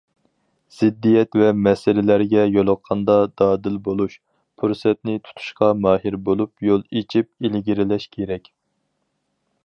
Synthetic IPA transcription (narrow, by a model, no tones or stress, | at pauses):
z̥ɪd̪ːijɛt̪vɛmɛsɪlɪlæɾɡʲɛjolˠʊqʰːɑnd̪ɑd̪ɑːd̪ɪlbolˠuʃ | pʰuɾsɛt̪̚nɪt̪ʰu̥t̪ʰu̥ʃqɑmɑːɦiɾbolˠupjolˠet͡ʃʰip̚ilɡʲiɾɪlɛʃkʲʰeɾɛkʲ